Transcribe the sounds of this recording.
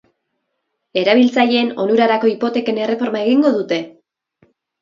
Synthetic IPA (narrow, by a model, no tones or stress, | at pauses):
e̞ɾaβ̞ilt͡saʎe̞ːno̞nuɾaɾako̞ipo̞t̪e̞ke̞ne̞re̞fo̞ɾmae̞ɣiŋɡo̞ðut̪e̞